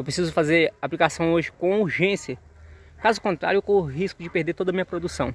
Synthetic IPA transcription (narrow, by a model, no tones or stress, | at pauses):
ewpɾesizʊfazeɾaplikasɐ̃w̃oʒɪkõuɾʒẽsjɐ | kazʊkõnt̪ɾa̰ɾjʊʊkõʊɦiskʊd͡ʒɪpehd̪eɾt̪od̪ɐmĩɲɐpɾod̪usɐ̃w̃